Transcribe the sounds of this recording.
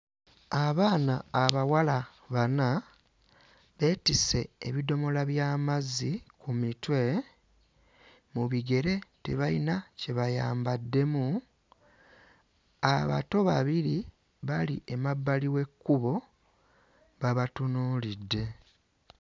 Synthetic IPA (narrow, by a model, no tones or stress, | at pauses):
aβaːnaːβawala | βana | βe̞tise̞ːβido̞mo̞laβjaːmazikumitwe̞ | muβiɡe̞ɾe̞tḛβainace̞βaja̰ːmbadːe̞mu | aβa̰to̞βa̰βiɾi | βaliʔemabːaliwe̞kːuβo̞ | βaβatunuːlidːe̞